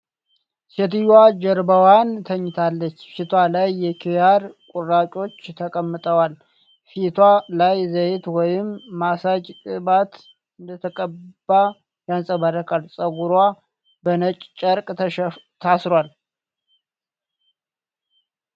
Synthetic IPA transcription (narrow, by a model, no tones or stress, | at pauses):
set̪ɨjwad͡ʒɛɾbəwant̪ʰəɲːɪt̪ʰalːət͡ʃːfit̪ʰwalajːɛkʰijaɾkʼurːat͡ʃʼo̞t͡ʃːt̪ʰəkʼəmːɨt̪ʼəwal | fit̪ʰwalajzəjɪt̪wɔjɪmːasad͡ʒt̪ʼɨbat̪ | ɨnd̪ət̪ʰəkʼəb̥a | jansʼəβaɾəkʰʼalsʼəɡuɾwa | bənət͡ʃʼt͡ʃʼəɾkʼ | t̪ʰasɾwal